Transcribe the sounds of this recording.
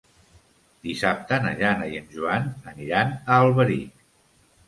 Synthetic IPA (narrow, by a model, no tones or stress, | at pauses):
d̪isap̚t̪ənə̰ʒanəjənʒuanəniɾanəːlˠβəɾi